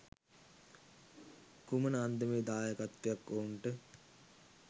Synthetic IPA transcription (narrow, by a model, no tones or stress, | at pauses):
kumənəand̪əmeːd̪aːjakat̪ːejakːoɳʈə